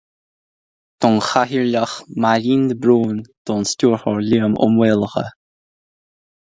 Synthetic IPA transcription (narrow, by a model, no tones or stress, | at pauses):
t̪ʰɔnxaɦiɹlaxmaɾiːnd̪əbɾuːnd̪̥ʰɔːnstʲuːɹxɔɹlʲiəmʔʊ̰mweːlˠəxə̰